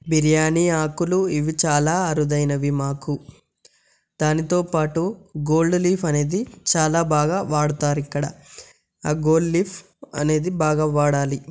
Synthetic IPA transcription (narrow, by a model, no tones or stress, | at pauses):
biɾjaːniːaːkuluiʋit͡ʃaːlaːɐɾud̪ɐjnɐʋimaːku | d̪̥aːnit̪o̞ːpaːʈuɡo̞ːlɖliːpʰɐne̞ːd̪it͡ʃaːlaːbaːɡaːʋaːɽut̪aːɾikːɐɽɐ̰ | aːɡo̞ːlɖliːpʰ | ɐ̰ne̞ːd̪ibaːɡaːʋaːɽaːli